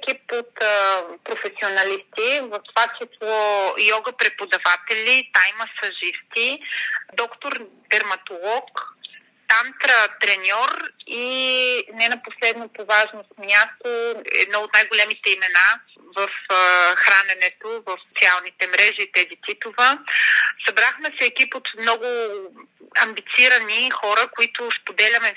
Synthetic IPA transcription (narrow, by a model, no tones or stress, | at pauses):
kipot̪pɾofɛsionɐlist̪ivɐft̪vat͡ʃɛslˠɔjɔɡəpɾɛpod̪ɐvat̪ɛlʲit̪ajmɐsɐʒist̪id̪ɔkt̪oɾd̪̥ɛɾmɐt̪olˠɔk | t̪ant̪ɾət̪ɾɛnʲɔɾi | nɛnɐposlɛd̪not̪ovaʒnosmnʲast̪oɛ̰d̪̚nɔot̪najɡolʲɛmit̪ɛimɛna | vɐfxɾanɛnɛt̪ovɐfso̥t̪sialˠnit̪ɛmɾɛʒit̪ɛzit̪it̪ovəsɐbɾaxmɛsɛːkipot̪mnɔɡʊ | ɐmbit̪siɾɐnixɔɾəkoit̪ʊspod̪ɛlʲɐmɛ